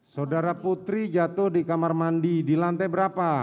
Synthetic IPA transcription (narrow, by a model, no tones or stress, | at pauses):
sadaɾaput̪ɾid͡ʒat̪ʊhdikamarmandidilant̪abəɾapa